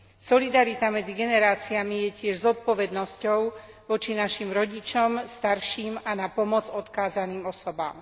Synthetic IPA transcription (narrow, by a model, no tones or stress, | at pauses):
sɔlid̪aɾit̪amɛd͡ziɡɛnɛɾaːt͡siamijɛcɪɛʒzɔt̪̚pɔʋɛd̪nɔscɔʊ | ʋɔt͡ʃinaʃimɾɔɟit͡ʃɔmst̪aɾʃiːmanapɔmɔd͡zɔt̪kaːzaniːmɔsɔba̰ːm